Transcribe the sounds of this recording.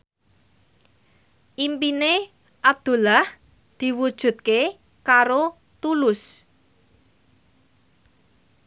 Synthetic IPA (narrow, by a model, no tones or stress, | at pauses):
ʔimpine | ʔab̚d̪̥ṳlah | d̪̥i̤wud̥ʒ̥ṳt̪̚ke | kaɾo | t̪ulʊs